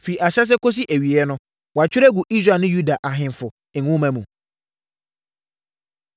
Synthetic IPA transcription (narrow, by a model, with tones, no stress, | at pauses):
fi˨i˨ʔa˨ɕɛ˦s̬ɛ˦ko˦s̬i˦ʔæ˨ɥi˨ɛ˦nʊ̃˦ | wɔ˨a˨t͡ɕᶣɪ˦ɾɛ˦ɡu˨ʔi˦sɾa˦˨nʊ̃˦ju˦da˨ʔa˨ɦɪ̃˨n˨fʊ˨ | ɛ̃˨ũ˦mæ̃˦mũ˨